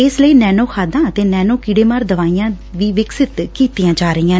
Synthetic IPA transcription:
ɪsləiːnɛːnoːkʰaːd̪ãːət̪eːnɛːnoːkiːɽeːmaːɾd̪əʋaːijãː | ʋiːʋɪksɪt̪kiːt̪ijãːd͡ʒaːɾəiːãː

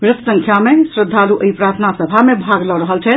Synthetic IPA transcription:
bɾəssə̃ŋkʰjamesɾəd̪ʱːaluʔəipɾat̪ʰnasəbʱamebʱaɡlɔɾəɦəlt͡ʃʰɛ

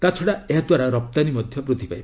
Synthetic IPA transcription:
t̪at͡ʃʰɔɽaeɦad̪waɾaɾɔp̚t̪animɔd̪ʱjɔpɾut̪ipajb

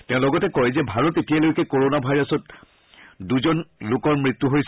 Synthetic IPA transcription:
tɛ̃ʊ̃lɔɡɔtɛkɔjzɛbʱaɹɔtetijalojkɛkoɹonabʱajɹɔsɔt | duzɔnlokɔɹmɹit̪ːuɦojs

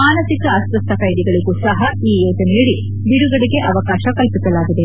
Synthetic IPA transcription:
aːnɐsikɐːsʋɐst̪ʰːɐkɐjd̪iɡɐɭiɡuːsɐɦɐiːeːd͡ʒ̪ɐniːɽi | d̪iɾuɡɐɽiɡe̞ʔɐʋɐkaːʃɐkɐlpisɐlaːɡid̪e̞

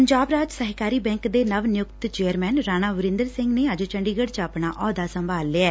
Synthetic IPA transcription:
əɲd͡ʒaːbɾaːd͡ʒsəɦkaːɾiːbɛ̃ːŋkd̪eːnəʋnɪjʊkt̪t͡ʃeːəɾmɛːnɾaːnaːʋʊɾɪ̃nd̪əɾsɪŋɡneːəd͡ʒt͡ʃəɳɖiːɡəɽt͡ʃəpnaːʔɔːd̪aːsəmbʱaːlːeaɛː

